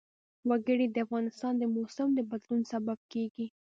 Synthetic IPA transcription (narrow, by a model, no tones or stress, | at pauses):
waɡəɽid̪əafɣɑnɪst̪ɑnd̪əmosamd̪əbad̪lunsabab̚keɡi